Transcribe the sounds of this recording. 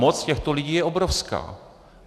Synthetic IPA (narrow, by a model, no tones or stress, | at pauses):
mot͡scɛxt̪oliɟiːjɛobɾofska̰ː